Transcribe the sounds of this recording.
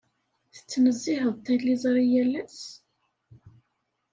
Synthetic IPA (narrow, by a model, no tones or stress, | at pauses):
θə̥t͡sːnəzːɪɦəðˤt̪ːælːizˤɾˤijælːæs